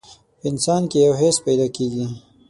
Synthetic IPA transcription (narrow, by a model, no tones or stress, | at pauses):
pəɪnsɑnkejawɦespajd̪ɑkeɡi